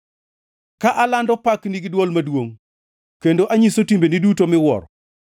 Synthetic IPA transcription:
kaʔalandɔpakniɡɪdwɔlmadwoŋ | kendoʔaɲisotimbenidutomɪwɔ̰ɾɔ

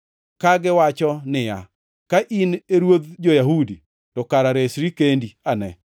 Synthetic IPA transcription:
kaɡɪwat͡ʃɔnɪja̰ | kaʔineɾwod̪d͡ʒojaɦudi | tɔkaɾaɾesɾikendianɛ

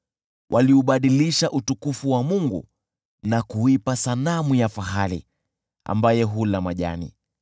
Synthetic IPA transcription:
wʔaliuɓaɗiliʃaʔutukufuwamuŋɡṵ | nakuipasanamujafaɦalḭ | a̰mbajɛɦulamaʄa̰nḭ

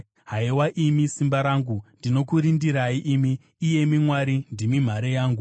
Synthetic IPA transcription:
ɦaiwaʔimisimbaɾaːŋɡundino̞kuɾindiɾaiʔimiː | je̞mimwaɾindimim̤aɾejaːŋɡu

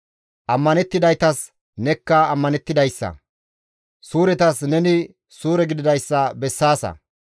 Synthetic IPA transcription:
ʔɐmːɐnɛt̪ːɪd̪ɐjt̪ɐs | nɛkːɐːmːɐnɛt̪ːɪd̪ɐjsːɐ̰ | suːɾɛt̪ɐsnɛnɪ | suːɾɛɡɪd̪ɪd̪ɐjsːɐbɛsːaːsɐ̰

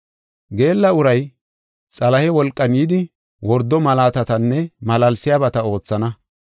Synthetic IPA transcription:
ɡe̞ːlːɐʊɾɐj | t͡sʼɐlɐhɛwɔlkʼːɐnjid̪ɪ | wɔɾd̪ɔmɐlaːt̪ɐt̪ɐnːɛmɐlɐlsɪjaːbɐt̪ɐo̞ːt͡sːɐnɐ

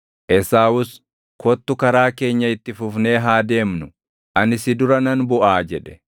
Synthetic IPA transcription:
ʔɛsaːwʊs | kɔt̪ːʊkɐɾaːke̞ːɲːɐɪt̪ːɪfʊfne̞ːɦaːd̪e̞ːmnʊ | ʔɐnɪsɪd̪ʊɾɐnɐnbʊʔaːd͡ʒɛᶑɛ̥

